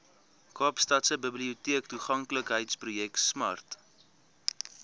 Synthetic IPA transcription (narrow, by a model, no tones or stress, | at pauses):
kɑːpstɐtsəbəbliutiəktuχɐŋkləkɦəjtsprujɛktsmɐ̰rt